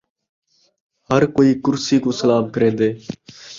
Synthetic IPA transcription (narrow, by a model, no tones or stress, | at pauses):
həɾkoːiːkʊɾsiːkoːsəlaːmkəɾẽːnd̪eː